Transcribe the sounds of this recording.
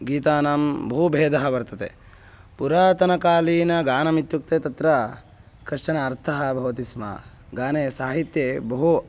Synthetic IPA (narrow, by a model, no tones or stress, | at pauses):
ɡiːt̪aːnaːmbɐɦubʱeːd̪ʱɐɦɐbɐɾt̪ɐt̪ḛ | puɾaːt̪ɐnɐkaːliːnɐɡaːnɐmit̪juk̚t̪et̪ɐt̪ɾɐ | kɾɐʃt͡ʃɐnɐːɾt̪ʰɐɦɐbʱɐʋɐt̪ismɐ̰ | ɡaːnesaːɦit̪jebɐɦu